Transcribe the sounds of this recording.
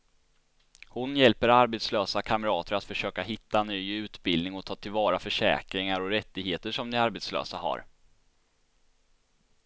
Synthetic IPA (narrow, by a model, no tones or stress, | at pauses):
hʊnjɛlpəɾaɾbɛt̪sløːsakʰaməɾɑːt̪əɾat̪fœʂøːkaɦɪt̪ːanyːʉ̟ːt̪bɪld̪ɪŋɔt̪ʰɑːt̪ʰɪlvɑːɾafœʂɛ̰ːkɾɪŋaɾɔɾɛt̪ːɪɡheːt̪əʂɔmnɪaɾbɛt̪slø̰ːsaha̰ɾ